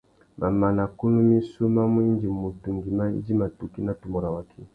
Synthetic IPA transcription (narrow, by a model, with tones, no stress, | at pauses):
ma˨ma˨na˨ku˦nu˦mi˦su˦ma˦mu˦i˦nd͡ʒi˨mu˨tu˨ŋɡi˨ma˦ḭ˦d͡ʒi˦ma˨tu˨ki˦na˦tu˨mɔ˨ɾa˨wa˨kʰi˦